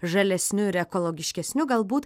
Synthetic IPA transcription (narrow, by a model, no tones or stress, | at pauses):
ʒɐlʲɛsʲnʲʊɪɾɛkolˠoːɡʲɪʃʲkʲɛsʲnʲʊɡɐlˠbuːt̪